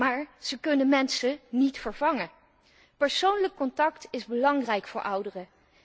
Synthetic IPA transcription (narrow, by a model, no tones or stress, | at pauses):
maːɹz̥əkɵnənmɛnsənitfəɹvɑŋə | pəɹsownləkːɔntɑktɪzbəlɑŋrɛjkfʊːɹʔʌwdərə